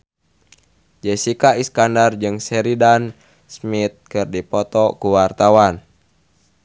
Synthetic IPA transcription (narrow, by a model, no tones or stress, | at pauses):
d͡ʒɛsikaiskandard͡ʒɨŋsɛɾidan | smit̪̚kɨrdipɔt̪ɔkuwart̪awan